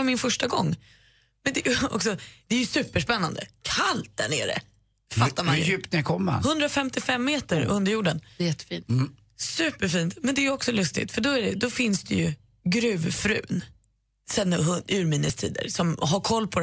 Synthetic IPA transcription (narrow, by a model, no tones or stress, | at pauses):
aɾmɪnfœʂʈaɡɔ̰ŋː | mɛnd̪ɛjɔ̰ksɔd̪̥ɛæɾjɵsʉ̟ːpəʂpɛnːa̰nd̪ə̰kʰalt̪̚d̪ɛnɛɖɛ̰ | fat̪ːaɾmajʉːpt̪nɛkʰɔmːa̰hɵnd̪ɾafɛmt̪ɪfɛmːeːt̪əɾɵnd̪əɾjuːɖənjɛt̪ːfin | sʉ̟ːpːəɾfiːnt̪mɛnd̪ɛjɔksɔlɵst̪ɪ̰t̪fœɖɔæɖɛd̪ɔfɪnsd̪ɛjɵ | ɡɾʉ̟ːvfɾʉ̟̰ːn | sɛnhɵʉːɾmiːnəst̪ʰḭːd̪ə̰ɾsɔmɦaɾkʰɔlːpʰɔ